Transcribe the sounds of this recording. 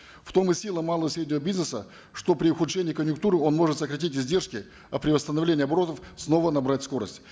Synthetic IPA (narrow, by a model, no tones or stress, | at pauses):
ft̪o̞mɨsʲilˠəmalˠəvəsɾʲedʲnʲɪvəbʲiznəsə̰ | ʂt̪o̞pɾʲɪʊxʊt̪ʂɛnʲɪːkənʲjʊkt̪uɾɨo̞nmo̞ʐɨt̪səkɾɐtʲitʲɪzʲdʲe̞rʂkʲɪ | ɐpɾʲɪvəst̪ənɐvlʲenʲɪɐbɐɾo̞t̪əfsno̞vənɐbɾatʲsko̞ɾə̰sʲtʲ